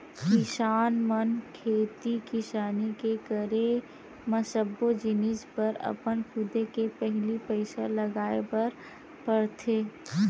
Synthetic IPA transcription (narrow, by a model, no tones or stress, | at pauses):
kɪsaːnmənkʰeːt̪ikɪsaːnikekəɾe | məsəbːod͡ʒɪnɪd͡ʒpəɾə̰pənkʰʊd̪ekepɛɦlipəɪsaləɡaːepɐɾ | pəɽt̪ʰeː